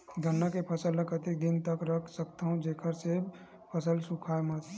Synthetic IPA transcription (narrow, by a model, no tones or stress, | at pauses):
ɡʱənːakepʰəsəlːəkət̪id̪ɪnt̪əkɾəkʰsəkt̪aɦũd͡ʒeːkʰəɾse | pʰəsəlsũkʰaːemət